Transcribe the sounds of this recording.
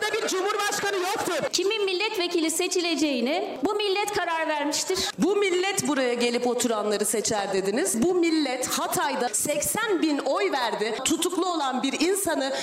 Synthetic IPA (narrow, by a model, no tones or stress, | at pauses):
d̪abiɾd͡ʒumhuɾbaʃkanɯjok̚t̪ʰʊcʰimimilʲːɛt̪vecilʲise̞t͡ʃʰilʲe̞d͡ʒe̞jinɪbumilʲːɛt̪kʰaɾaɾvæɾmiʃt̪ʰiɾ̥bumilʲːɛt̪buɾajaɟelʲipo̞t̪ʰuɾanlˠaɾɯsɛt͡ʃʰæɾd̪e̞d̪inizbumilʲːɛt̪hat̪ʰajd̪asɛcsænbino̞jvæɾd̪ɪt̪ʰut̪ʰuklˠuo̞lˠanbiɾinsanɯ